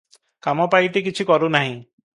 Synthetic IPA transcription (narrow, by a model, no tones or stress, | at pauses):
kamɔpajʈik̬it͡ʃʰikɔɾunaɦĩ